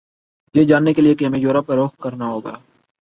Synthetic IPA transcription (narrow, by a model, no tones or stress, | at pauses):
jeːd͡ʒaːnːekeliekiɦɐmẽjoːɾəp̚kaɾoːxkɐɾnaɦoːɡa̰ː